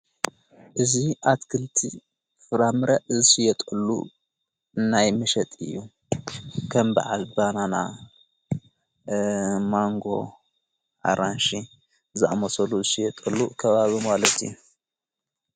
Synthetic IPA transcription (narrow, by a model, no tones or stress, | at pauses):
ʔɨziʔat̪kʰɨlt̪ʰi | fɨɾamɾɐʔzɨsijɛt̪ʼɨlːṵ | najmɨʃɐt̪ʼɨ̰jːu | kʰɐmbɐ̰ʕalbanana̰ | maŋɡo̞̰ | ʔa̰ɾanʃi | zɨʔa̰mɐsɐluzɨsijɛt̪ʼɐlːukʰɐβaβimalɐt̪ɨju